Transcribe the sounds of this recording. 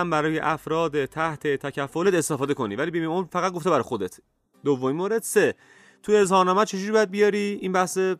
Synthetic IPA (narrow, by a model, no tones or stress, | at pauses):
æmbæɾɒːje̞̰ʔæfɾɒːd̪et̪ʰæht̪ʰe̞t̪ʰæcʰæfːolee̞st̪efɒːd̪e̞kʰo̞niːvæliːbimeomɾfæɣæt̪̚ɡo̞ft̪ebæɾɒjxo̞d̪e̞t̪ʰ | d̪ovːominmoːɾe̞d̪̥se̞ | t̪ʰuezhɒːɾnɒːmæd̪t͡ʃʰe̞d͡ʒuːɾibɒjæd̪̚bijɒɾiːinbæhse